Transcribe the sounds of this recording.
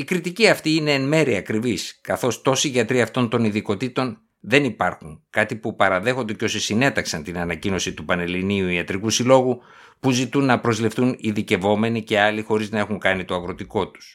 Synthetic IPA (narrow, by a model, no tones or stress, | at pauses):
ikɾit̪iciɐft̪iine̞ːnme̞ɾiɐkɾiviskɐθo̞st̪o̞siʝɐt̪ɾiɐft̪o̞nt̪o̞niðiko̞t̪it̪o̞n | ðe̞nipɐɾxuŋkɐt̪ipupɐɾɐðe̞xo̞nd̪e̞co̞sisine̞t̪ɐksɐnt̪inɐnɐcino̞sit̪upɐne̞liniuiɐt̪ɾikusilo̞ɣu | puzit̪unːɐpɾo̞zlifθuniðice̞vo̞me̞nice̞ɐlixo̞ɾiznɐe̞xuŋkɐnit̪o̞ɐɣɾo̞t̪iko̞t̪u̥s